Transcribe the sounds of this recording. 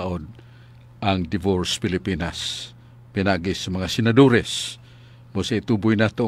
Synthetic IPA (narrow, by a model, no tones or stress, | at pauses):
ʔod̪̚ | aŋd̪ɪvoɾspɪlipinas | pinaɡisamɐŋasɪnad̪oɾɛs | musait̪ubʊjnat̪o